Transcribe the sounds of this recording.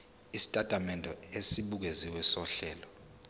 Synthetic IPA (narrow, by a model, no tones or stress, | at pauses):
isi̥tʼatʼamɛndʱɔesiɓuk̬eziwɛsɔɬɛːlɔ